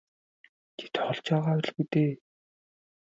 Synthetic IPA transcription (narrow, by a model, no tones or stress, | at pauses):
tʰe̥t̪χɔɮt͡ɕɔːʁaːw̆ɮɣut̪eː